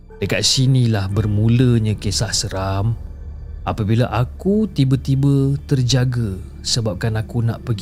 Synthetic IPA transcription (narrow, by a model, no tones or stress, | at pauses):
dəkat̪̚sinĩlahbərmũləɲə̃kesahsəɾam | apabilaʔakut̪ibət̪ibət̪ərd͡ʒaɡə | səbap̚kanakunãʔpəɡi